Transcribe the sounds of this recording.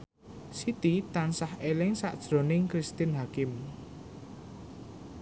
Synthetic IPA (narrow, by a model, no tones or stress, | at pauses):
sit̪it̪ansahelɪŋsa̰ʔd̥ʒ̥ɾonɪŋkɾist̪ɪnɦakɪm